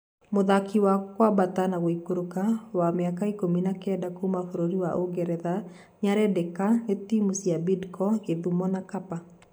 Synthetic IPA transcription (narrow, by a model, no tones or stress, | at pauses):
moðakʰiwakwabatanaɣoikoɾukawameakaikominakɛdakomafoɾoɾiwaʔoɡɛɾɛða | ɲaɾɛdekanetimusiabidkɔɡeðumɔnakapa